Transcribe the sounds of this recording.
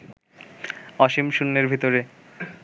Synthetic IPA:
ɔʃimʃunːeɾbʱit̪oɾe

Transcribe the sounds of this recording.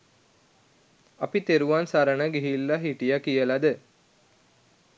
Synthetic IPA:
apit̪eɾuʋansaɾənəɡiɦilːaɦiʈijakijəlad̪ə

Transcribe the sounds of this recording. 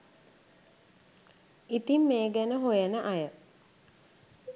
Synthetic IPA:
it̪imːeːɡænəɦojənəʔajə

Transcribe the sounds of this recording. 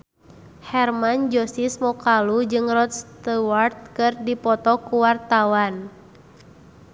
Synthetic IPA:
hɛrmand͡ʒɔsismɔkalud͡ʒɨŋrɔt̪̚st̪əwart̪̚kɨrdipɔt̪ɔkuwart̪awan

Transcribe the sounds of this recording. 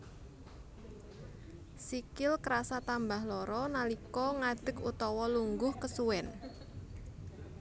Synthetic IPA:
sikɪlkɾasat̪ambahlɔɾɔnalikɔŋaɖ̥ə̤kut̪ɔwɔluŋɡʊhkəsuwɛn

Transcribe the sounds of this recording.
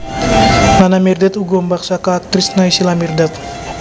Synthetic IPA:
nanamirdɛt̪uɡɔmbaksakaːk̚t̪ɾisnaisilamirdɛt̪̚

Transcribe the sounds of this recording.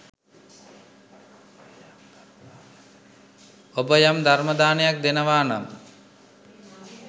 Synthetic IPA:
obəjamd̪ʱaɾməd̪aːnejak̚d̪enəʋaːnam

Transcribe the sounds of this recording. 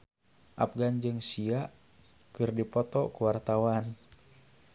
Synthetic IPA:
ʔa̰p̚ɡand͡ʒɨŋsiaʔ | kɨrdipɔt̪ɔkuwart̪awan

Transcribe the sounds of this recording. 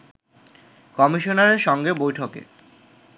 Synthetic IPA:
kɔmiʃonaɾeɾʃɔŋɡebojʈʰokḛ

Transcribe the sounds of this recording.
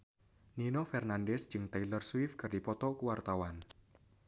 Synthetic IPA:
ninofɛrnandɛsd͡ʒ̥ɨŋt̪ajlərswɪfkɨrdipɔt̪ɔkuwart̪awan

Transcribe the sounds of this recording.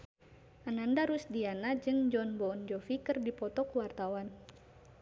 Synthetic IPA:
ʔanandaɾusdianad͡ʒɨŋd͡ʒɔnbɔɔnd͡ʒɔfikɨrdipɔt̪ɔkuwart̪awan

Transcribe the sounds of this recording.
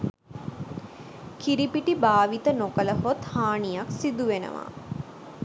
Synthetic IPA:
kiɾipiʈibaːʋit̪ənokələɦot̪haːɳijaksid̪uʋenə̰ʋa̰ː

